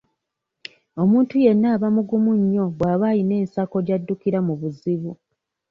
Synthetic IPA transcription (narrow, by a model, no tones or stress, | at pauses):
o̞muːntuje̞nːaːβamuɡumuɲːo̞βwaːβajine̞ːnsako̞ɾjadːukiɾamuβuziβu